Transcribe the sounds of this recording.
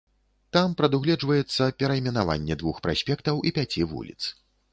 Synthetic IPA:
t̪ampɾɐd̪uɣlʲɛd͡ʐvɐjɛt̪sːɐpʲɛɾɐimʲɛnava̰nʲːɛd̪vuxpɾa̰sʲpʲɛkt̪ɐwʔipʲat͡sʲivṵlʲḭt̪s

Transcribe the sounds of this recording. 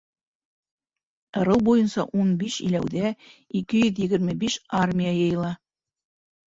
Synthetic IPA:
ɤ̆ɾɤwbujɤnsɑʔunbiʃḭlæwðæikɘjɵðjɘ̆ɡɘ̆ɾmɘbiʃarmʲijajɤ̆jɤ̆lˠɑ

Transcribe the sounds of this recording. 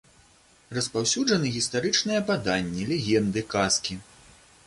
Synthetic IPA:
rɐspawsʲud͡ʐɐnɨɣʲist̪aɾɨt͡ʂnɨjɛpad̪anʲːɛlʲɛɣʲɛnd̪ɨkaskʲi

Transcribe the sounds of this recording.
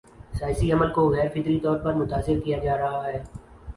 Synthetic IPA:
sjaːsiɐməlkoɣɛːɾfɪt̪ɾit̪ɔːɾpɐɾmʊt̪aːsɪɾkijad͡ʒaːɾɐɦaɦɛː

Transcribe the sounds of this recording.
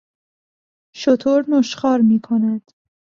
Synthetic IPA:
ʃot̪ʰoɾnoʃχɒːɾmiːkʰonæd̪̥

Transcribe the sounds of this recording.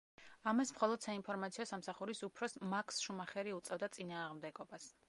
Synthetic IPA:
amasmχɔlˠɔd̪̥sainpʰɔɾmat̪sʰiɔsamsaχuɾisupʰɾɔsmakʰsʃumaχɛɾiut̪sʼɛvd̪at̪sʼinaːʁmd̪ɛɡɔbas

